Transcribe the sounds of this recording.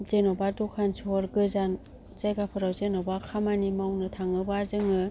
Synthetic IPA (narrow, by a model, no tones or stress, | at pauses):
zenɔbadɔkʰansʰɔɾɡɯzan | zajɡapʰɯɾawzenɔbakʰamanimawnɯtʰaŋɯbazɯŋɯ